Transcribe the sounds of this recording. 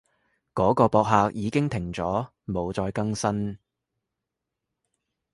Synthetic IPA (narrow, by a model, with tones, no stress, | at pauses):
kɔː˨˥kɔː˧pɔː˨˧k̚ɦaː˧k̚jiː˨˧kɪ˥ŋt̪ʰɪ˨˩ŋt͡sɔː˨˥ | mo˨˧wt͡sɔː˧jkɐ˥ŋsɐ˥n